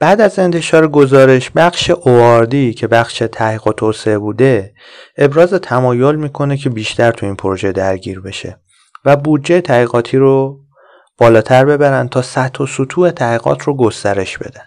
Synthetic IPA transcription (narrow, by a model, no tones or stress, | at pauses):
b̥æːd̪æze̞nt̪ʰe̞ʃɒːɾeɡo̞zɒːɾe̞ʃbæχʃe̞ʔoɒɾd̪iːcʰe̞bæxʃe̞t̪ʰæiːɣot̪ʰoːseebuːd̪e̞ | ʔebɾɒːze̞t̪ʰæmɒːjo̞lmiːkʰo̞ne̞cʰe̞biːʃt̪ʰæɾt̪ʰuiːnpʰoɾoʒe̞d̪æɾɟiːɾbe̞ʃe̞̰ | væbuːd̪d͡ʒejet̪ʰæɣiːɣɒːt̪ʰiːɾo | b̥ɒːlɒːt̪ʰæɾbe̞bæɾæn̚t̪ʰɒːsæt̪hosut̪ʰuːe̞t̪ʰæɣiːɣɒ̰ːt̪ʰroɡo̞st̪æɾe̞ʃb̥e̞̰d̪æn̥